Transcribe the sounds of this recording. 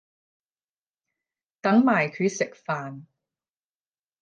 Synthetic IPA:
t̪ɐ˨˥ŋmaː˨˩jkʰy˨˧sɪ˨k̚faː˨n

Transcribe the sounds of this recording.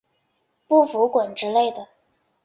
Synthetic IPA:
pu˥˩fu˧˥kwə˨˩nʈ͡ʂɻ̩˥le˥˩ɪd̪ə˩

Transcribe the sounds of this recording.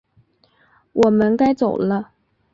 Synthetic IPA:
wʔɔ˨˩mə˦nka˥ɪt͡so˨˩ʊlə˦

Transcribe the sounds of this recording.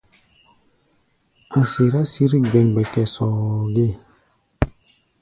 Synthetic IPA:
a˨se˨ɾa˦si˦ɾi˦ɡ͡bɛ˨ŋɡ͡bɛ˨kɛ˨sɔː˨ɡe˦˨

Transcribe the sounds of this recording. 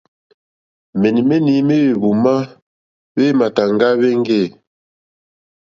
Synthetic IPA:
me˨ni˨me˦ni˨˦me˦we˨bu˨ma˦ | βe˦ma˨ta˨ŋ˦ɡa˦βe˦ŋ˦ɡe˦˨

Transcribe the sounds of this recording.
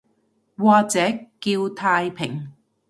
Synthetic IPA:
waː˧t͡sɛː˨˥kːiː˧wt̪ʰaː˧jpʰɪ˨˩ŋ

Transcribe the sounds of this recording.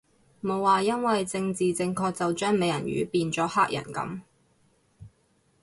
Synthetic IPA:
mo˨˧wːaː˨˩jɐ˥nwɐ˨jt͡sɪ˧ŋt͡siː˨t͡sɪ˧ŋkʰɔː˧k̚t͡sɐ˨wt͡ʃœː˥ŋme˨˧jɐ̰˨˩nɥy̰ː˨˥piː˧nt͡sɔː˨˥haː˥k̚jɐ̰˨˩nkɐ̰˨˥m

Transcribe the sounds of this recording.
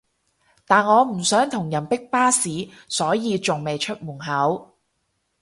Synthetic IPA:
t̪aː˨nŋɔː˨˧m̩˨˩sœː˨˥ŋt̪ʰʊ˨˩ŋjɐ˨˩npɪ˥k̚paː˥siː˨˥ | sɔː˨˥jiː˧t͡sʊ˨ŋme˨jt͡ʃʰɵ˥t̚muː˨˩ŋɦɐ˨˥w

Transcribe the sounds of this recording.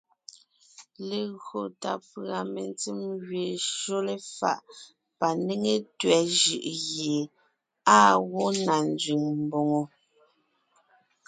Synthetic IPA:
le˨ɣɰo˨ta̰˨pɰa˨me˨nt͡si˦mɣɥe˨ʃo˦le˨fa̰˦˨ʔ | pa˨ne˦ŋe˦tɥɛ˨˦ʒɯ̰˦˨ʔɣje˨ | aː˦ɣo˦na˨n˦d͡zɥi˨ŋm̩˨bo˨ŋo˨

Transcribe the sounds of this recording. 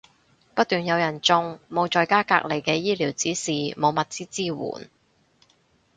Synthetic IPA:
pɐ˥t̚t̪yː˨njɐ˨˧wjɐ˨˩nt͡sʊ˧ŋmo˨˧wt͡ʃɔː˨˧jkaː˥ka̰ː˧˥k̚le˨˩jkɛː˧jiː˥liː˨˩wt͡siː˨˥siː˨˩mo˨˧wmɐ˨t̚t͡siː˥t͡siː˥˩wṵː˨˩n

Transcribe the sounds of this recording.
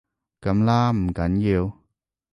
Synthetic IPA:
kɐ˨˥mlaː˥m̩˨˩kɐ˨˥njiː˧w

